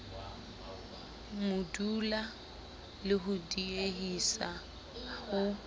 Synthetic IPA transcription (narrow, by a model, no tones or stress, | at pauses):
mʊdula | lɪɦʊdieɦisa | hʊ